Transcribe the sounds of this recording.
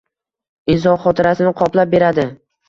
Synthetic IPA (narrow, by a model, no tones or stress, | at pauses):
ɪzɒχɒt̪ʰɪɾasɪnɪqʰɒplap̚be̞ɾad̪ɪ